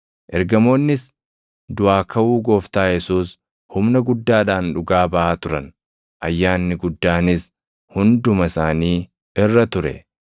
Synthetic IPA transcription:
ʔɛɾɡɐmo̞ːnːɪs | d̪ʊʔaːkʰɐʔuːɡo̞ːft̪aːjɛsuːs | hʊmnɐɡʊd̪ːaːᶑaːnᶑʊɡaːbɐʔaːt̪ʊɾɐn | ʔɐjːaːnːɪɡʊd̪ːaːnɪs | hʊnd̪ʊmɐsaːniː | ɪrːɐt̪ʊɾɛ̰

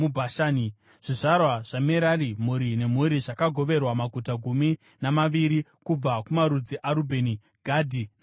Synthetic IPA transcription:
ubʱaʃaːni | ʐ̥iʐarwaʐ̥ameɾaɾimuɾine̞m̤uɾiʐakaɡʱo̞ʋe̞rwamaɡʱutaɡʱumi | namaʋiɾikub͡vakumaɾud͡ziʔaɾubʱe̞ni | ɡ̥ʱadʱi

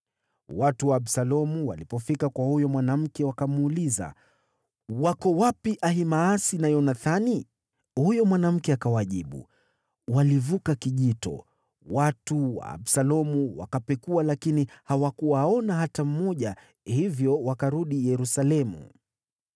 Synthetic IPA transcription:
watuwaːɓsalɔmuwalipɔfikakwahujɔmwanam̩kɛwakamuːliza̰ | wakɔwapiʔahimaasinajɔnaθani | hujɔmwanam̩kɛakawaʄiɓṵ | walivukakiʄitɔ̰ | watuwa̰ːɓsalɔmuwa̰kapɛkualakinihawakuwaɔnaɦatam̩mɔʄa | hivjɔwakaɾuɗijɛɾusalɛmṵ

